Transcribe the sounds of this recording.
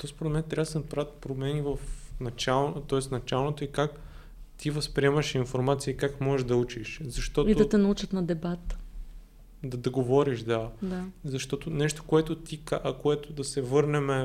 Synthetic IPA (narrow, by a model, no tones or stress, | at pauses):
t̪ɔspoɾɛd̪mɛnt̪ɾʲabd̪sɛnɐpɾavət̪pɾomɛnivɐfnɐt͡ʃalˠnt̪ɔɛsnɐt͡ʃalˠnot̪oikak | t̪ivɐspɾiɛmɐʃinfoɾmat̪sijəikakmɔʒɛʒd̪ɐut͡ʃiʃzɐʃt̪ɔtiɐt̪ɛnɐut͡ʃət̪nɐd̪ɛbat̪ | d̪ɐd̪ɐɡovɔɾiʃd̪ad̪azɐʃt̪ɔt̪onɛʃt̪o̥koɛt̪ot̪ikaʔkoɛt̪ʊd̪ɐsɛvɤɾnɛmɛ